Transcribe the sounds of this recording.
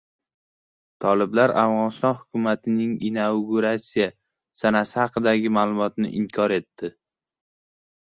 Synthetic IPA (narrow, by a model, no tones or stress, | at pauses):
t̪ʰɒlɪblaɾa̰vʁɒnɪst̪ɒnhʊkʲʰʊmat̪ʰɪnɪŋinawɡuɾasija | sanasɪhɑqɨd̪aɡʲɪmaːlˠʊmɒt̪nɪ̰ʔɪmkʲʰɒɾe̞t̪ːɪ